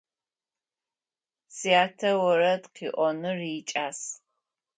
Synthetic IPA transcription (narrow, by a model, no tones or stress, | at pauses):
siaːtʰɐwɐɾɐtqʰiːʔʷɔnɨrit͡ʃʼaːs